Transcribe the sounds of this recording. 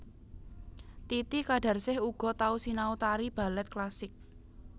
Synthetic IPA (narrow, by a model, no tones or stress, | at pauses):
t̪it̪ikaɖ̥a̤rsɪhuɡ̥ɔ̤t̪ausinaut̪aɾib̥a̤lɛt̪̚klasɪk̚